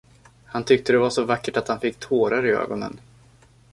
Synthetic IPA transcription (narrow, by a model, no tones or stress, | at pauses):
hant̪ʰʏk̚t̪əd̪ɛvaʂɔvakːəʈat̪hanfɪkːt̪ʰoːɾaɾɪø̰ːɡɔnə̰n